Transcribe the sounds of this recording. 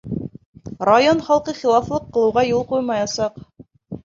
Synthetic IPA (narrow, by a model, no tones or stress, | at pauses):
rajonχɑlˠqɤχilˠɑflˠɤqːɤ̆lˠɤ̆wʁɑjulˠqujmɑjɑsɑq